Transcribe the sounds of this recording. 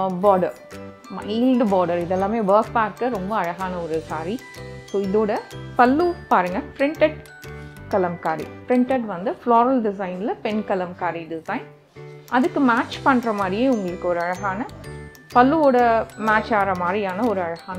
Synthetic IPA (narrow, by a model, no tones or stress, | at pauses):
baːɖɐɾ | mɐɪiːlɖbaːɖɐɾɪðɛlːãːmeːʋɐːɾk̚paːɾkɐɾɔmbɐɐɻɐɣaːnɐɔɾɯsaːɾi | soːɪðoːɽɐpɐlːupaːɾɯŋɡɐpɾɪɳʈɐʈ̚ | kɐlɐmkaːɾḭpɪɾɪɳʈɐʈʋɐnd̪ɯfloːɾɐlɖɪsɐɪnlɐpɛnkɐlɐmkaːɾiɖɪsɐɪn | ɐðɯkːɯmaːt͡ʃpɐɳːɾɐmaːd̪ɾɪjeːʊŋɡɐɭɯkːɯɔɾɯɐɻɐɣaːnɐ | pɐlːɯoːɽɐmaːt͡ʃːaːɾɐmaːd̪ɾiaːnɐɔɾɯɐɻɐɣaːnɐ